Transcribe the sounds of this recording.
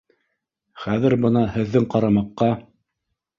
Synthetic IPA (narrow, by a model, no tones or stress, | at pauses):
χæðɘ̆ɾbɤ̆nɑhɘ̆ðːɘŋqɑɾɑmɑqːɑ